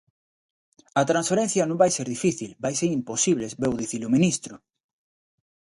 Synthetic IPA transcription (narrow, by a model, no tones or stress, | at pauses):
ɐt̪ɾansfeɾenθjɐnõmbajseɾðifiθilbajseɾimposiβlezbewðiθilomĩnist̪ɾʊ